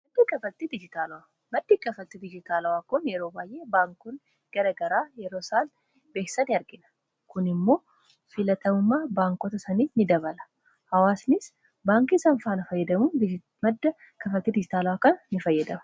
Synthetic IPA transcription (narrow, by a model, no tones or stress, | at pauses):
mɐd̪ːiːkʼɐfɐt̪ːid̪ɪd͡ʒɪt̪aːlɐwa | mɐd̪ːikʼɐfɐt̪ːɪd̪ɪd͡ʒɪt̪aːlɐwaːkʊnjɛɾoːbaːjʔeːbaːŋkʊn | ɡ̥ɐɾɐɡɐɾaːjɛɾo̞ːsaːl | be̞ːksɐnɪɐɾɡɪnɐ̥ | kʊnɪmːo̞ː | fɪlɐt̪ɐmʊmːaːbaːŋkɔt̪ɐsɐniːnɪd̪ɐβɐlɐ̥ | hɐwaːsnɪs | baːŋkisɐɱfaːnɐfɐjːɛd̪ɐmu | mɐd̪ːɐ | kɐfɐt̪ːiːd̪ɪd͡ʒɪt̪aːlɐwaːkɐnnɪfɐjːɛd̪ɐmɐ̥